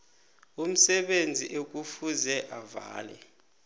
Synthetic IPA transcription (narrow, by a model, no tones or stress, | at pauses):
um̩sɛɓend͡zʱiʔek̬ʼufuzɛʔava̰ːlɛ̰